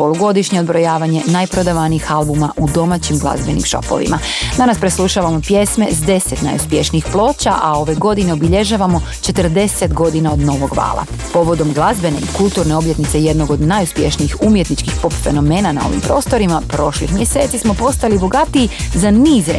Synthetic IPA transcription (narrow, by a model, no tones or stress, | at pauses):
po̞lˠuɡo̞d̪iʃɲeod̪bɾo̞jaːʋaɲe̞najpɾo̞d̪aʋaniixalˠbumaʔud̪o̞maːt͡ɕimɡlˠa̰zbe̞nḭmʃo̞̰po̰ʋḭma | d̪anaspɾeslˠuʃaʋamo̞pje̞sme̞zd̪e̞set̪na̰juspje̞ʃniixplˠo̞ːt͡ɕa̰ʔao̞ʋe̞ɡo̞d̪ine̞obiʎe̞ʒaːʋamo̞ | t͡ʃe̞t̪əɾd̪e̞se̞t̪ɡo̞d̪inao̞d̪no̞ʋo̞ɡʋa̰ːlˠa̰ | po̞ʋo̞d̪o̞mɡlˠazbe̞ne̞̰ikulˠt̪uɾne̞o̞bje̞t̪nit̪se̞je̞d̪no̞ɡod̪najuspjeʃniːxumje̞t̪nit͡ʃkixpo̞pfe̞no̞me̞ːnana̰o̞̰ʋḭmpɾo̞ːst̪o̞ɾimapɾo̞ʃlḭxmje̞se̞ːt̪sismo̞po̞st̪alibo̞ɡat̪iːzaniːze